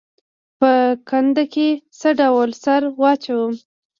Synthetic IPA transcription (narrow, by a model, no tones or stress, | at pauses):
pəkand̪akesəɖawlsaɾwɑt͡ʃawəm